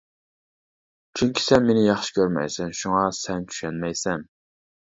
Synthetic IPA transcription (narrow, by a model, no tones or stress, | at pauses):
t͡ʃʰyŋkʲi̥sɛnmenɪjɑχʃɪ̥kʲøɾmɛ̰jsɛnʃuŋɑsɛnt͡ʃ̪ʰy̥ʃɛnmɛjsɛn